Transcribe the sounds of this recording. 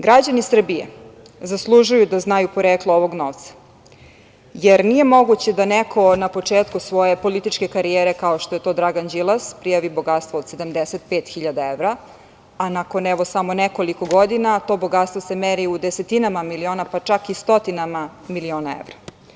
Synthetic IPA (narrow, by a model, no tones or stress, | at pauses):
ɡɾad͡ʑanisr̩bijḛ | zaslˠuʒujud̪aznajupoɾeklˠooʋo̞ɡno̞ʋt̪sḁ | jeɾnije̞mo̞ɡut͡ɕed̪anekʰo̞napo̞t͡ʂeːt̪kusʋo̞je̞po̞lit̪it͡ʃke̞kaɾijeːɾe̞kaoʃt̪o̞je̞t̪o̞ːd̪ɾaɡand͡ʑilˠaspɾijaʋibo̞ɡat̪st̪ʋoːd̪se̞d̪amd̪eset̪peːt̪xiʎad̪aeʋɾa | anakonɛʋo̞samoneko̞liko̞ɡod̪inat̪o̞bo̞ɡat̪st̪ʋo̞semeɾiud̪eset̪inamamilio̞ːnapat͡ʂakist̪o̞t̪inama | milio̞ːnaḛʋɾa